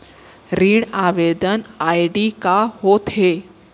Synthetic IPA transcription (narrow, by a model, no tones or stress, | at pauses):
ɾiɽaʋed̪ənaiɖikahot̪ɦe